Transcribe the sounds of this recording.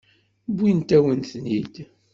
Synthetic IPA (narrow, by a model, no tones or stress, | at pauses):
bint̪æwənθnid̪̥